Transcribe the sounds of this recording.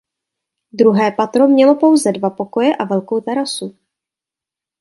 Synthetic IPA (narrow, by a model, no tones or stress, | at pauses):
d̪ɾuɦɛːpat̪ɾo̞mɲɛlo̞po̞wzɛdvapo̞ko̞jɛʔavɛlkowt̪ɛɾasu